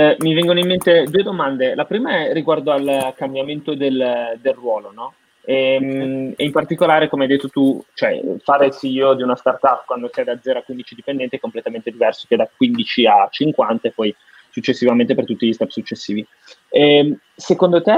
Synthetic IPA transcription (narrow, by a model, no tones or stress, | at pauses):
mivɛŋɡonoimːent̪ed̪ued̪omand̪elapɾiːmaɛrːiɡward̪oalkambjament̪od̪eld̪elrwɔːlonɔ | ɛ | eimpart̪ikolaːɾekomeajd̪et̪ːot̪ut͡ʃoɛ̰faːɾesiod̪iunast̪art̪apːkwand̪osiad̪ad̪zɛːɾoakwind̪it͡ʃid̪ipend̪ɛnt̪iɛkomplet̪amẽnt̪ed̪ivɛrso̥k̟ed̪akwind̪it͡ʃiat͡ʃiŋkwant̪aepɔj | sut͡ʃːesːivament̪epert̪ut̪ːiʎist̪ɛpsut͡ʃːesːiːvi | sekond̪ot̪e